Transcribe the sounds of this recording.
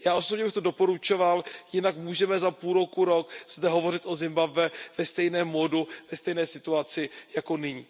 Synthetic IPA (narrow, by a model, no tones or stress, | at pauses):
jaːʔo̞sobɲɛbɪxt̪o̞do̞po̞ɾut͡ʃo̞valjɪnakmuːʒɛmɛzapuːlɾo̞kuɾo̞kz̥dɛɦo̞vo̞r̝ɪt̪ʔo̞zɪmbabvɛvɛst̪ɛjnɛːmːoduvɛst̪ɛjnɛːsɪt̪uat͡sɪjako̞nɪɲiː